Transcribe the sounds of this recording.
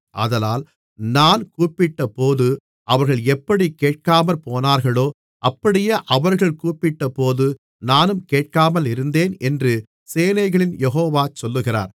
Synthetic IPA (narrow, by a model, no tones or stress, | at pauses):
ʔɐ̰ðɐlaːl | naːnkuːpɪʈːɐpoːðɯ | ʔɐʋɐɾɣɐɭɛpːɐɽikeːʈ̚kaːmɐlpoːnaːɾɣɐɭoː | ʔɐpːɐɽɪjeːʔɐʋɐɾɣɐɭkuːpɪʈːɐpoːðɯ | naːnɯmkeːʈ̚kaːmɐlɪɾɯnd̪eːnɛndrɯ | seːnɐɪɣɐɭɪnjɛɦoːʋaːt͡ʃɔlːɯɣɪra̰ːɾ